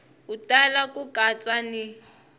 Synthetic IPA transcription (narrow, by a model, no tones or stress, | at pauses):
utalakʼukat͡sʼani